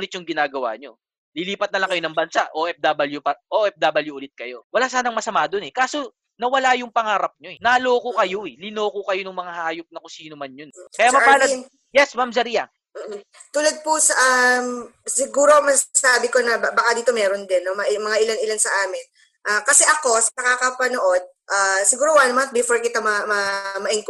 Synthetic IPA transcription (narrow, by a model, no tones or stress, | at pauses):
ʊlɪt̪̚jʊŋɡɪnaːɡɐwa̰ːɲo̞ | lɪliːpɐt̪̚nɐlɐŋkɐjo̞nɐŋbɐnsaʔo̞ʔɛp̚d̪aːbɐljʊpɐʔoʔɛp̚d̪aːbɐljʊʔʊlɪt̪̚kɐjo̞wɐlaːsaːnɐŋmɐsɐmaːd̪o̞nɛkaːso̞ | nɐwɐlajʊŋpɐŋaːɾɐp̚ɲo̞ɛnaːloːkokɐjo̞ɛlɪno̞ːkokɐjonʊŋmɐŋahaːjop̚nɐkʊsiːnomɐnjonkɐjamɐpaːlɐ | jɛsmamzɐɾijɐ̰ŋː | t̪ʊlɐd̪̚pusɐʔamsɪɡuːɾomɐsasaːbɪkonɐbakad̪iːt̪o̞mɛːɾond̪ɛnːomɐʔmɐŋaʔɪlanɪlansɐʔaːmɪn | ʔakɐsɛʔɐko̞sɐnɐkakɐpɐnoʔo̞d̪̚ʔasɪɡuːɾowanmant̪̚bɪfoɹkɪt̪amɐmɐmɐʔɪŋk